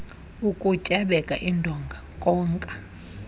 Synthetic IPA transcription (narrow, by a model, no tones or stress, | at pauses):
ukʼucʼaɓɛkʼaʔindʱɔŋɡʱakʼɔːŋkʼḁ